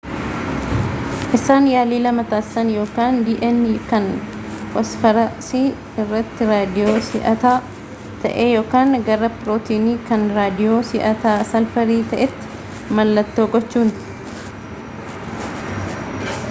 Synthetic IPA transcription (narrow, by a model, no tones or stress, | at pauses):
ʔɪsaːnjaːliːlɐmɐt̪aːssɐnjo̞ːkaːnd̪iːʔɛnːiːkɐn | kɔsfɐɾɐsiː | ɪrːɐt̪ːɪɾaːd̪ɪjo̞ːsɪʔɐt̪aː | t̪ɐ̰ʔeːjo̞ːkaːŋɡɐɾɐpɾoːt̪iːniːkɐnɾaːd̪ɪjoːsɪʔɐt̪aːsɐlfɐɾiːt̪ɐʔɛt̪ːɪ̥ | mɐlːɐt̪ːo̞ːɡɔt͡ʃːuːn